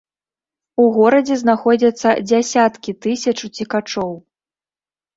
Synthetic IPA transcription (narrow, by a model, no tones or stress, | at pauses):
uɣɔɾɐd͡zʲɛznaxɔd͡zʲɐt̪sːɐd͡zʲasʲat̪kʲit̪ɨsʲɐt͡ʂut͡sʲikat͡ʂɔw